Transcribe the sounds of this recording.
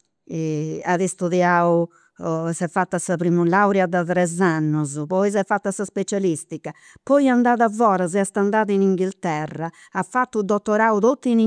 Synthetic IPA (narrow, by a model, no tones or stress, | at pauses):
ɛaðist̪uðjaːu | sɛfːat̪ːasapɾimulawɾjad̪at̪ɾɛzanːuzpɔis̬ɛfːat̪ːasaspet͡ʃalist̪ika | pɔiand̪aːðavːɔːɾazɛast̪and̪aːðiniŋɡilt̪ɛraː | fːat̪ːud̪ɔt̪ːɔɾaːut̪ot̪ːini